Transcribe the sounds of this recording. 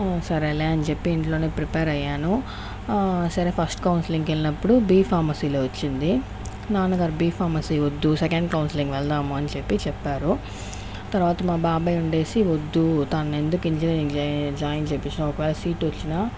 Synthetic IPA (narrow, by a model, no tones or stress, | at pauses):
sɐɾeleːɐnut͡ʃe̞pːiːɳʈloːneːpɾipeːɾɐjːaːnu | sɐɾeːpʰɐsʈkɐwnsiliŋɡʋelinɐpːuɽubiːpʰaːmɐsiːloːʋot͡ʃːind̪i | naːnɐɡaːɾbiːpʰaːɾmɐsiːʋod̪ːusekɐɳɖkɐwnsiliŋɡʋɛɭd̪aːmuɐnt͡ʃepːit͡ʃɛpːaːɾu | t̪ɐɾuʋaːt̪ɐmaːbaːbɐjuɳɖe̞ːsiʋod̪ːut̪anːe̞nd̪ukiɲt͡ʃɐliiŋd͡ʒd͡ʒaːjɐnt͡ʃepːit͡ʃːinaɔkɐʋɛːlɐsiːʈʋot͡ʃːinaː